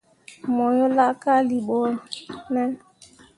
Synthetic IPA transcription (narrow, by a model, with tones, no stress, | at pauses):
mɔ˨jɔ˦la˦ka˦li˨ɓɔ˦nɛ˦